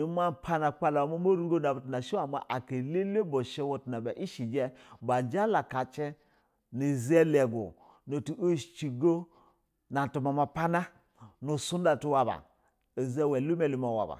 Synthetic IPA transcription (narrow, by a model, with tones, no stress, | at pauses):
i˦ma˦pʰa˦na˨k͡pa˦la˨wa˨ma˦mo˦ɾu˦ɡo˦na˨ba˨tu˨na˨ʃi˦a˨ma̰˨ʔa˨ke˨le˦le˦bo˨ʃe˦wo˦tu˨na˨ba˨ʔi˦ʃi˨d͡ʒe˦ba˨d͡ʒa˦la˨ka˨t͡ʃe˦ | ni˨ze˦le˨ɡo̰˨ | no˨ti˨ʔo˦ʃt͡ʃi˨ɡo˦ | na˨tu˨ma˨ma˨pa˦na˦ | nu˨su˦nda˨tu˦wa˨ba̰˨ | e˨ze˦we˨lu˦me˨li˦ma˨wa̰˨ba̰˨